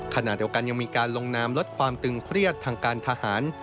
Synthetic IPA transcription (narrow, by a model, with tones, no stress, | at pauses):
kʰa˧na̰˨˩t̪̚d̪i˧əwka˧nja˧ŋmiː˧kaː˧nlo˧ŋnaː˧mlo˦˥t̪̚kʰwaː˧mt̪ɯ˧ŋkʰɾi˥˩ət̪ʰːaː˧ŋkʰaː˧nt̪ʰa˧haː˩˦˥n